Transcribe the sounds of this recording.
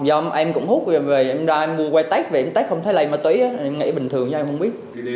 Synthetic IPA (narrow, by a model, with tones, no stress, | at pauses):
zɔ˧mʔɛ˧mkʊ̰˧˥ŋ͡mhu˦˥t̚ve˨˩ʔɛ˧mzaː˧ʔɛ˧mmu˧əkwɛ˧t̪a˦˥k̚ve˨˩ʔɛ˧mt̪a˦˥k̚xə˧wŋ͡mt̪ʰə˨˦la˨ɛ˧məː˧˩t̪wi˨˦jʔaː˨˦˨ʔɛ˧mŋa̰˧˥ɓï˨˩ŋ̟t̪ʰɨ˨˩əŋt͡ɕːmhə˧wŋ͡mɓi˦˥ət̚